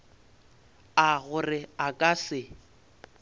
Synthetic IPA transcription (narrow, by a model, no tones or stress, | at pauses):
aɣʊrɪakʼasɪ